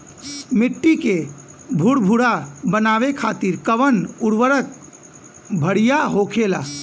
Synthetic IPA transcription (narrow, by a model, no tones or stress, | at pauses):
miʈːike | bʱuɽbʱuɽabənaʋekʰat̪iɾkəʋənuɽʋəɾək̚ | bʱəɽijaɦokʰela̰